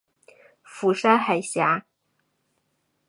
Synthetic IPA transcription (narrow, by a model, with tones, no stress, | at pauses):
fu˧˥ʂa˥xa˨˩ɪɕja˧˥